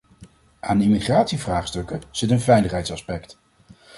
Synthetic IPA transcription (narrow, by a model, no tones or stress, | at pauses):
aːnɪmiχraːtsivraːχstɵkəz̥ɪtənvɛjləχɦɛjtsɑspɛkt